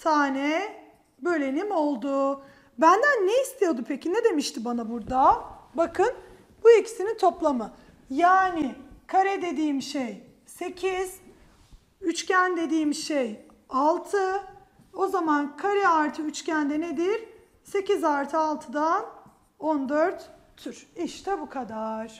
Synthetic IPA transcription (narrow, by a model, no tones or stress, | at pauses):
t̪ʰaːnɛ | bø̞jlʲenimo̞lˠd̪ʊ | bænd̪ænːejist̪ʰijod̪umpʰecʰinɛd̪e̞miʃt̪ʰibanabuɾd̪abakʰɯn | b̥uecsinint̪ʰo̞plˠamɯ | jaːnɪkʰaɾɛd̪e̞d̪iːmʃej | se̞cʰiz̥ | yt͡ʃcænd̪e̞d̪iːmʃej | alˠt̪ʰɯ | o̞zamankʰaɾɛaɾt̪ʰɯyt͡ʃcænd̪ɛned̪iɾ̥ | se̞cizaɾt̪ʰɯalˠt̪ʰɯd̪an | o̞nd̪øɾt̪ | t̪ʰːyɾiʃt̪ʰɛbukʰad̪aɾ̥